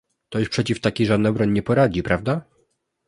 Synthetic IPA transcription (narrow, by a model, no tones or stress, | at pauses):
t̪ɔɕpʂɛt͡ɕift̪akʲiʐad̪nabɾɔɲɲɛpɔɾad͡ʑipɾavd̪a